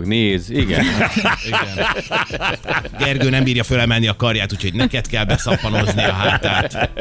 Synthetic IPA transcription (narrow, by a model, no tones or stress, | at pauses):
ɡneːziɡɛniɡɛn | ɡɛrɡøːnɛmbiːrjɒfølɛmɛlnːiɒkɒrjaːt̪uːcʰho̞ɟnɛkɛt̪kɛlbɛsɒpɒnozniɒɦaaːt̪aːt̪